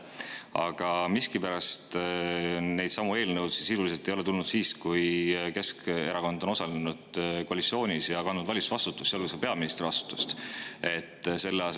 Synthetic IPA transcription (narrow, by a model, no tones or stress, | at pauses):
ɑ̰ɡ̥ɑmiskipæɾɑst̪ | ne̞jd̪sɑmue̞ːlnəwd̪sisisulise̞lt̪ejo̞lɛ̞t̪ulnud̪siːskujke̞ske̞ɾɑko̞nd̪o̞no̞sɑlenud̪̥koɑlʲit̪sio̞ːnʲisjɑkɑnːud̪vɑlʲisvɑst̪ut̪ːˑu̥stːɑlvesepe̞ɑminist̪ɾrivɑst̪u̥t̪ːˑu̥st̪e̞t̪ːˑse̞lːeɑs